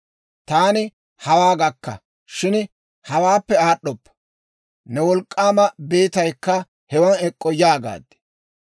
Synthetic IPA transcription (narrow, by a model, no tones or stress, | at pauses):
t̪aːnɪ | hɐwaːɡɐkːɐ̰ | ʃɪn | hɐwaːpːɛaːɗːɔpːɐ̥ | nɛwɔlkʼːaːmɐbe̞ːt̪ɐjkːɐ | hɛwɐnɛkʼːɔjaːɡa̰ːd̪ɛ̥